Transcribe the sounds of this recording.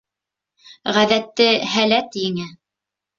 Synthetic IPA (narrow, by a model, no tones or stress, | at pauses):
ʁæðæt̪ːɘɦælæt̪jɘ̆ŋɘ